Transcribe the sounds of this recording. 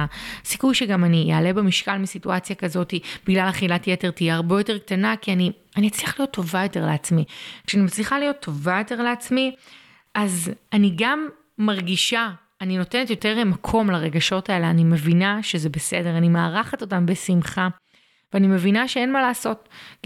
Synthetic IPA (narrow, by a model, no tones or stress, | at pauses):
sikujʃeɡamanijeale̞bemiʃkalmisituat͡sjakɐzo̞tib̥iɡlalaχilatjete̞ʁtijiaʁbe̞jo̞te̞ʁktanakiani | aniat͡sliaχlijo̞t̪ʰːo̞vajo̞te̞ʁleat͡smikʃeanimat͡sliχalijo̞tʰːo̞vajo̞teʁleat͡smi | azaniɡamː | aʁɡiʃaː | nino̞te̞netjo̞te̞ʁlemakʰo̞mlaʁe̞ɡaʃo̞taeleanime̞vinaʃezebe̞se̞de̞ʁanimeaʁaχatotambe̞simχa | veanime̞vinaʃee̞nmalaːso̞t̚